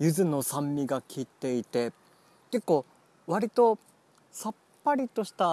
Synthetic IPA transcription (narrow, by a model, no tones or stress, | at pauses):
jɯ̟zɨno̞sãmːʲiɡakʲit̪ːe̞it̪e̞ | ke̞kːo̞ː | βaɾʲit̪o̞ | sapːaɾʲit̪o̞ɕi̥t̪a